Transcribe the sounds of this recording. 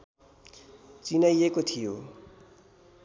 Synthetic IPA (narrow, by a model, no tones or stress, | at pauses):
t͡sinajekot̪ʰijo